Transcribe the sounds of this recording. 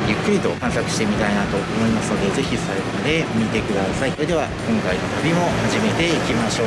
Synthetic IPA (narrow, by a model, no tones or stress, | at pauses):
jɯ̟kːɯ̟ɾʲit̪o̞kãɰ̃sakɯ̟ɕi̥t̪emʲit̪ainat̪o̞omo̞imasɨno̞d̪e̞ze̞çisaid̪onod̪e̞omʲit̪e̞kɯ̟d̪asaioed̪e̞βakõŋkainot̪abʲimo̞haʑime̞t̪e̞ikʲimaɕo̞ː